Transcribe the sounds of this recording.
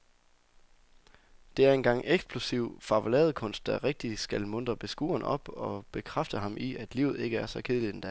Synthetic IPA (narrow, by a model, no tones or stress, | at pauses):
d̥e̝æɐe̝nɡ̥ɑ̈ŋ̰eɡ̥sb̥ʰlusiʊ̰fɑ̈ʋolɛ̰ːɐð̩ˠkʰɔ̽n̰sd̥̚d̥æʁeɡ̥̚d̥i̥sɡ̥ælmɔn̰d̥ʁɐb̥e̝sɡ̥ṵːɐnɒ̽b̥ɒ̽b̥e̝kʰʁafd̥əɦɑ̈mʔiæd̥lḭʊð̞̩ˠe̝ɡ̥əæɐsɒ̽kʰeð̞ˠəlid̥end̥æ